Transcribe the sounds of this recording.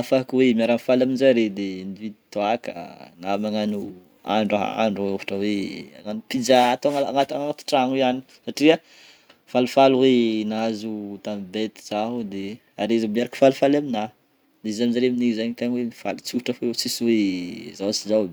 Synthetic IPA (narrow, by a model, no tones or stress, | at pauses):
afaakwemiaɾanfalaminzaɾed̪enivid̪i̥t̪oakə̰namaŋanu | a̰ɳɖ͡ʐaɦa̰a̰ɳɖ͡ʐaofḁʈ͡ʂəwea̰ŋanupid͡ʒat̪aŋaa̰ŋat̪aŋat̪i̥ʈ͡ʂaŋiani̥ | saʈ͡ʂiə | falufaluwenazut̪ambet̪i̥z̥aɦud̪e | a̰ɾezamiaɾaki̥falufalamina | d̪eizaminzaɾeminizaɲit̪aɲwenifa̰lit͡suʈ͡ʂafoet͡siswezawat͡siza